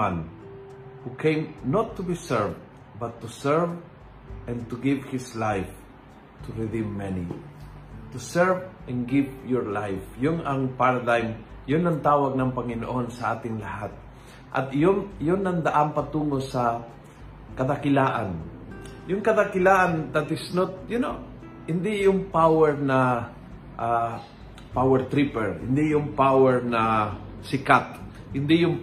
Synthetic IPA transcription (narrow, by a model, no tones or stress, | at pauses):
an | hukʰẽjmnot̪ːʊbisɛɹv | bɐt̪ːusɛɹv | ʔɛ̃nt̪ʊɡɪvhɪslajf | t̪ʰʊɾɪd̪imːɛnḭ | t̪ʊsɛɹvʔɛ̃nɡɪvjɔɹlajfjoŋɐŋpaɹɐd̪ajm | jonːɐŋt̪aːwɐɡ̚nɐŋpɐŋɪno̰ʔo̞nsɐʔaːt̪ɪŋlɐhat̪̚ | ʔɐ̰t̪ɪjoŋjonːɐŋd̪ɐʔanpɐt̪uːŋo̞sɐ | kɐd̪akɪlaːʔanjʊŋkɐd̪akɪlaːʔand̪ɐt̪ɪsnot̪̚jʊno̰ | hɪnd̪ijʊŋpawɛɹnɐ | ʔa | pawɛɹt̪ɾipɛɹhɪ̰nd̪ijʊŋpawɛɹnɐsɪkat̪̚ | hɪnd̪ɪjʊŋ